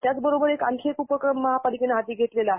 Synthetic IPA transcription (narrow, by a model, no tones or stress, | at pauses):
t̪jat͡sbəɾobəɾekaŋkʰekupəkɾəmːəɦapalikenaɦat̪iːɡʱet̪lelaaɦ